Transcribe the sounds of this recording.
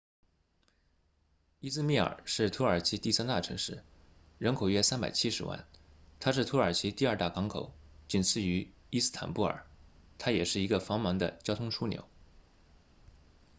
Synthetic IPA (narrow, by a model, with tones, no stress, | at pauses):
i˥s̩˥˧mi˥˩ə̰˞˨˩ʂɻ̩˥˩t̪ʰu˧˥ə˞˨˩t͡ɕʰi˧˥t̪i˥˩sa˥nt̪a˥˩ʈ͡ʂʰɤ̰˧˥ŋʂɻ̩˥˩ | ɻə˧˥nkʰo˨˩ʊɥɛ˥sa˥npa˨˩ɪt͡ɕʰi˥ʂɻ̩˧˥wa̰˥˩nt̪ʰa˥ʂ̬ɻ̩˥˩t̪ʰu˧˥ə˞˨˩t͡ɕʰi˧˥t̪i˥˧ɐ˞˥˧t̪a˥˩kɑ˧˥ŋkʰo˨˩ʊt͡ɕi˥˩nt͡sʰɹ̩˥˩y˧˥ | i˥s̩˥t̪ʰa̰˨˩npu˥˩ə̰˞˨˩˦ | t̪ʰa˥jɛ˨˩ʂɻ̩˥˩i˧˥ɡə˧fɑ˧˥ŋmɑ˧˥ŋd̪ə̰˧t͡ɕjɑ˥ʊt̪ʰʊ˥ŋʈ͡ʂʰu˥njo̰˧˩˥ʊ